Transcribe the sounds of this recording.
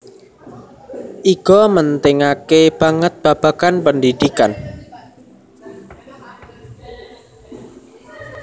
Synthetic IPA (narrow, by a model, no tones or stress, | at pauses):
ʔiɡ̥ɔmənt̪ɪŋakeb̥aŋət̪̚b̥ä̤b̥a̤kanpəndid̪ikan